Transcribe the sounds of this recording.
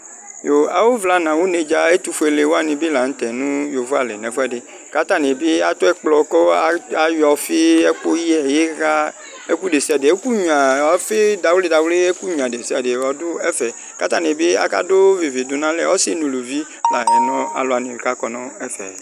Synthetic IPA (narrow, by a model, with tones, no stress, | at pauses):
jo˨a˨wo˦vla˨nã˨wo˦ne˨d͡ʒa˦e˦t̪u˦fo˨e˨le˨wo˦a˦˨nĩ˨be˦la˨ñ̩˦t̪ɛ˨nũ˦jo˨vo˦a˨le˨nɛ̃˨fo˦ɛ˦de˨ | ka˦t̪a˦ne˨be˦a˨t̪o˦ɛ˦k͡plɔ˨kɔ˦a˨a˨jɔ˨fe˦ɛ˦k͡po˦ji˦ɛ˨je˦ɣa˦ | e˦ku˦ɖe˨si˦a˨de˨e˦ku˦ɲũ˨a˨a˨fe˦da˨wle˦da˨wle˦e˦ku˦ɲũ˨a˨de˨si˦a˨de˨wɔ˨do˦ɛ˦fɛ˨ | ka˦t̪a˦ne˨be˦a̰˨ka̰˦do˦ve˨ve˨d̪o˨nã˦lɛ˦˨wɔ˦se˦nũ˨lo˨vi˦ | la˨ɛ˨nɔ̃˦a̰˨lo˨a˨nẽ˨ka˦kɔ˨nɔ̃˦ɛ˦fɛ̰˨